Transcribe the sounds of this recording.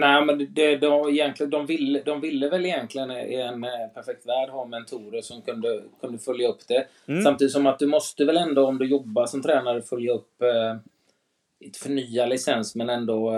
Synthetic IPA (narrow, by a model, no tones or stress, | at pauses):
næːmɛnd̪ɛd̪ɔɪjɛnt̪lɪd̪ɔmvɪlːəd̪ɔmvɪlːəvɛlːɪjɛnt̪lɪɡənɛnpʰæɾfɛk̚t̪væːɖɦɑːmɛnt̪ʰuːɾəʂɔmkʰɵnd̪əkʰɵnd̪əfœljaɵpːd̪̥ɛ | samt̪iːd̪ɪt̪sɔmat̪̚d̪ɵmɔst̪əvɛlɛnd̪oɔmd̪ɵjɔbːaʂɔmt̪ʰɾɛːnaɾəfœljaɵpː | ɪnt̪ə̥fœɳyːalɪsɛnsmɛnɛnd̪ɔ